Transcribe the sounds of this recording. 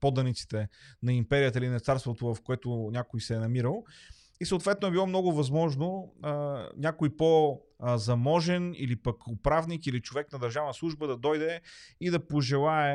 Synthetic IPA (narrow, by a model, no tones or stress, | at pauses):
pɔd̪ɐnit̪si̥t̪ɛnɐimpɛɾiət̪̬əilinɐt̪saɾst̪vot̪ovɐfkoɛt̪ʊnʲakojsɛːnɐmiɾəlˠ | isəʊːt̪vɛt̪nʊɛbilˠɔmnɔɡʊvɐzmɔʒno | nʲakojpo | zɐmɔʒɛnḭlipəkʊpɾavnikilit͡ʃovɛknɐd̪ɐɾʒavnəslˠuʒbəd̪ɐd̪ɔjd̪ɛid̪ɐpoʒɛlˠaɛ